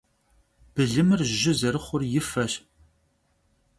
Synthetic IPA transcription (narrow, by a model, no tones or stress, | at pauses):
b̥ɨɮɨmɨrʒɪzɐɾɨχʷʊrjɪfɐɕ